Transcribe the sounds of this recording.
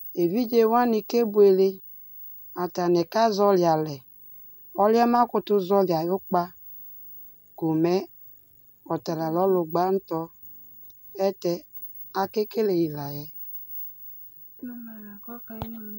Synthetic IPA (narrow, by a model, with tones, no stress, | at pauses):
e˨vi˦d͡ʒe˨wa˦ni˨ke˦bu˨e˨le˦ | a˨ta˨ne˨ka˦zɔ˦lja˨lɛ˨ | ɔ˦ljɔ˦ma˦kʊ˨tu˦zɔ˦lja˨ju˦k͡pa˦ | ɡ̥o˨me˦ | ɔ˨ta˨ɾa˨lɔ˦lʊ˨ɡ͡ba˦n̩˦tɔ˦ | ɛ˦tɛ˦ | a˨ke˦ke˦le˨ji˨la˨jɛ˦˨˦